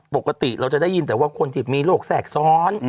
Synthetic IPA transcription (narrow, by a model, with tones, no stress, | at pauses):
po˨˩kːa˧t̪i˨˩ʔɾa˧wt͡ɕa˨˩da˥˩ji˧nt̪ɛː˨˩waː˥˩kʰo˧nt̪ʰi˨˩miː˧loː˥˩k̚sɛː˨˩k̚sɔː˦˥n